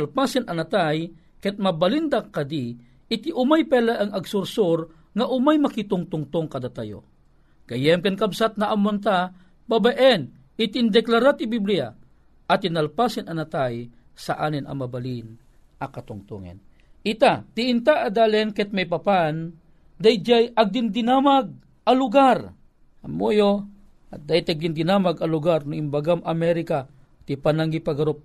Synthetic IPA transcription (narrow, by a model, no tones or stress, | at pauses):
lpasɪnɐnat̪aj | kɛt̪̚mɐbalind̪akɐd̪i | ɪt̪iʔʊmajpɛlaʔɐŋɐɡsʊɾsoɾ | ŋaʔʊmajmɐkit̪ʊŋt̪ʊŋt̪ʊŋkɐd̪at̪ajo̰ | ɡ̥ɐjɛmkɐnkɐbsat̪̚naʔamont̪a | babaʔɛn | ɪt̪ind̪ɛklaɾat̪ibiblija̰ | ʔɐt̪inɐlpasɪnɐnat̪aj | saʔaːnɪnɐ̰mɐbalin | ʔɐkɐt̪ʊŋt̪ṵŋɛ̰n | ʔɪt̪at̪ɪʔɪnt̪aʔːd̪aːlɛnkɛt̪̚majpɐpan | d̪ajd͡ʒajʔɐɡ̚d̪ɪnd̪ɪnamaɡ̚ | ʔɐlʊɡar | amojo | d̪aɪt̪aɡ̚d̪ɪnd̪ɪnamaɡɐlʊɡaɾnʊŋimbaɡamɐmɛɾɪka | t̪ɪpanaŋɡipaɡaɾop̚